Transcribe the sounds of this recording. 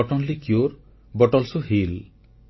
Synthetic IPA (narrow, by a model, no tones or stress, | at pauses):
ɔʈɔnlikjoɾ | bɔʈɔlsuɦil